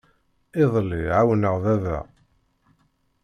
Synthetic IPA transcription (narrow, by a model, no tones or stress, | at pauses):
ɪðˤlːiʕawnəʁðæðæ̰